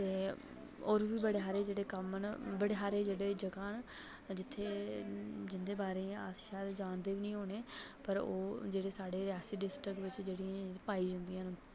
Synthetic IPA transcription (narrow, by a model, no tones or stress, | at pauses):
t̪eː | oːɾʋiːbəɽeːɦaːɾeːd͡ʒeːɽeːkəmnbəɽeːɦaːɾeːd͡ʒeːɽeːd͡ʒəkaːn | d͡ʒɪt̪ʰːeː | d͡ʒɪnd̪eːbaːɾeːaːsʃaːd̪d͡ʒaːnd̪eːʋiːnĩːɦoːɳeːpəɾoːd͡ʒeːɽeːsaːɽeːɾɪaːsiːɖɪsʈɾɪkbɪt͡ʃd͡ʒeːɽiãːpaːiːd͡ʒə̃nd̪iːãːnː